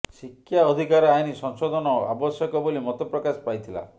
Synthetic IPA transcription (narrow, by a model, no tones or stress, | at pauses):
sikʰːjaɔd̪ʱikaɾɔajnisɔŋsɔd̪ɔnɔa̰bɔsjɔkɔbolimɔt̪ɔpɾɔkaspajt̪ʰila̰